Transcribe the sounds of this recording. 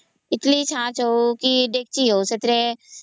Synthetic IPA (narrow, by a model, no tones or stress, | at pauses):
ɪtlit͡ʃʰãːt͡ʃɦokiɖeːk̚t͡ʃiɦoːset̪ɾe